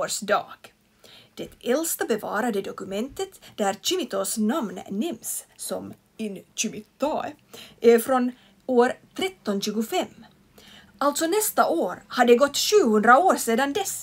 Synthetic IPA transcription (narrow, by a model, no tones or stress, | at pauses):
ʂd̪ɑ̰ːɡ̥ | d̪̥ɛt̪ɛlst̪abɛvɑːɾad̪əd̪ɔkʉmɛnt̪ət̪d̪æɾt͡ʃʏmɪt̪osnamnnɪmsːɔm | ɪnt͡ʃʉmɪt̪oʔæɾfɾɔn | oːɾt̪ʰɾɛt̪ːɔnɕʉːɡʊfɛmː | alt̪sɔnɛst̪aʔoːɾhad̪ɛɡɔt̪ːɕʉːhɵnd̪ɾaoːɾseːd̪and̪ɛs